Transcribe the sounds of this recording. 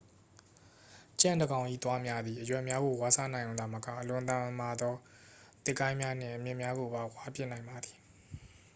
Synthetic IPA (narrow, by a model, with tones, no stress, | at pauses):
t͡ɕã̰˦˨ndə˨ɡã˨ʊ̃ʔḭ˦˨t̪wa˦mja˦d̪ði˨ʔəjwɛ˨mja˦ɡo˨wa˦˨sʰä̰˦˨nã˨ɪ̃jõ˨a˨məka̰˦˨ʔəlʊ̃˨ʔət̪ã˨mə˨ma˨d̪ɔ˦ | t̪ɪ˦ʔkːã˦ɪ̃mja˦n̥ɪ̰̃˦˨ʔə˨mjɪ̃˦ʔmja˦ɡo˨ba˨wa˦pjɪ˦ʔnã˨ɪ̃mba˨d̪i˨